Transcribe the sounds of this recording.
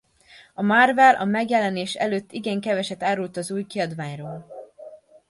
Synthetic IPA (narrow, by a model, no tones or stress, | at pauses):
ɒmarvɛlʔɒ̰mɛɡjɛlɛneːʃɛ̰løːt̪ːiɡɛŋkɛvɛʃɛt̪aːɾult̪ɒzuːjkiɒd̪vaːɲroːl